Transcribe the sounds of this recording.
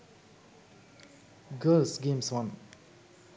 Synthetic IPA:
ɡəlsɡẽmswan

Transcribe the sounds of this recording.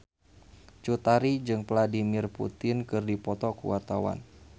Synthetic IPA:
t͡ʃut̪aɾid͡ʒɨŋpladimɪrpṵt̪ɪnkɨrdipɔt̪ɔkuwart̪awa̰n

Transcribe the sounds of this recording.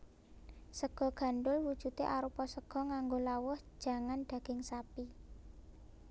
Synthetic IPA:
səɡ̥ɔ̤ɡ̥a̤nɖʊlwud̥ʒ̥ṳt̪eʔaɾupɔsəɡ̥ɔ̤ŋaŋɡolawʊhʒ̥a̤ŋanɖ̪̥a̤ɡ̥ɪŋsapi

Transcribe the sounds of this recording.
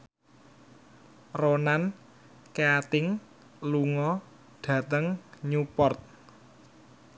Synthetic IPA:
ronan | keat̪ɪŋ | luŋɔ | ɖ̥ä̤t̪əŋɲupɔrt̪̚

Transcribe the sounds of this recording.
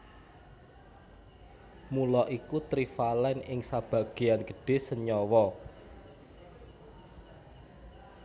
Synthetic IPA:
mulɔʔikut̪ɾifalɛnɪŋsab̥a̤ɡ̥e̤anɡə̤̥ɖ̥e̤səɲɔwɔ

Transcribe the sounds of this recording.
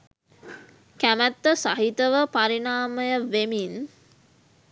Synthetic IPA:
kæmət̪ːəsaɦit̪əʋəpaɾinaːməjəʋemin

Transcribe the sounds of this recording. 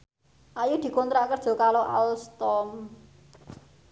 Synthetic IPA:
ʔajud̪̥i̤kont̪ɾaʔkərd̥ʒ̥ɔ̤kaloʔa̰lst̪ɔm

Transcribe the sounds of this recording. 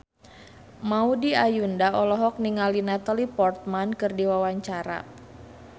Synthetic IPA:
maudiajundaɔlɔɦɔk̚niŋalinat̪alipɔrt̪̚mankɨrdiwawaɲt͡ʃaɾa̰

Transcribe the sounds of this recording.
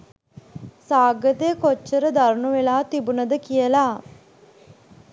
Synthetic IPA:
saːɡət̪ekot͡ʃːəɾəd̪ɐɾnuʋelaːt̪ibunɐd̪əkijəlaː

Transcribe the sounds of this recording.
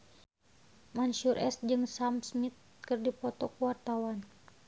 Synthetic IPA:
manʃurʔɛ̰st̪̚d͡ʒɨŋsamsmit̪̚ | kɨrdipɔt̪ɔkuwart̪awan

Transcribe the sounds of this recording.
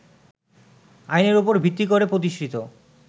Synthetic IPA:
ajneɾopoɾbʱit̪ːikoɾepɾot̪iʃɾit̪o

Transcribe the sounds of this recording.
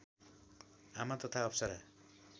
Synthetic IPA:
amat̪ʌt̪ʰaʌpsʌɾa

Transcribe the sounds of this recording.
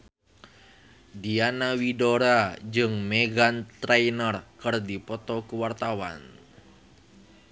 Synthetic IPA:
dianawidoɾad͡ʒɨŋmeɡant̪ɾejnərkɨrdipɔt̪ɔkuwart̪awa̰n

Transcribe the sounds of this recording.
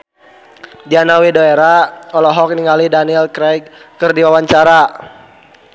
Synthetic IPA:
d͡ʒanawidoeɾaɔlɔɦɔk̚niŋalidaniɛlkɾɛkkərdiwawaɲt͡ʃaɾa

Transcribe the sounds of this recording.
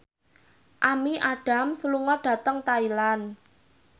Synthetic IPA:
ʔamiʔaɖ̥a̤msəluŋɔɖ̥ä̤t̪əŋt̪ailan

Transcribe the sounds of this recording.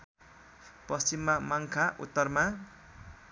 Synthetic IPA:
pʌst͡ɕimːamaŋkʰaʔṵt̪ːʌrma

